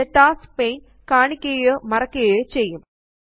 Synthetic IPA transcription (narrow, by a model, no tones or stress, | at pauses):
ɐʈːaːspeːn | kaːɳɪkʲːejɐmɐrɐkːɐjet͡ʃɛjːɯm